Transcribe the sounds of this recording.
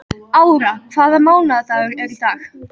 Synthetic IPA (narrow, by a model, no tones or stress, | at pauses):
aːwɾakʰv̥aːðamoːwnaðt̪aʏɾɛɾit̪aːx